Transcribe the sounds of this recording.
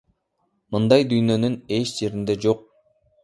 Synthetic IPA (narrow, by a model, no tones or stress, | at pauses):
mɯnd̪ɑjd̪yjnø̞nyne̞t͡ʃd͡ʒe̞ɾind̪e̞d͡ʒo̞q̚